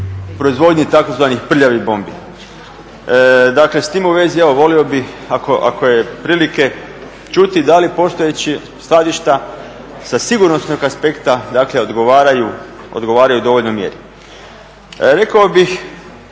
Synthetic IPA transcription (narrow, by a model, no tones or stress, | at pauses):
pɾo̞izʋo̞d̪ɲit̪ako̞zʋaːnixpr̩ʎaʋibo̞mbḭ | d̪akle̞st̪imuʋe̞zieʋo̞ʋo̞lio̞bix | akoʔa̰kojepɾiːlike̞ | t͡ʃut̪id̪alipo̞st̪o̞jet͡ɕi | slˠad̪iʃt̪a | sasiɡuɾno̞sno̞ɡaspe̞kt̪ad̪aːkleo̞d̪ɡoʋaːɾajuo̰d̪ɡo̞ʋaːɾajud̪o̞ʋoʎʲnomjḛɾi | ɾe̞kaobix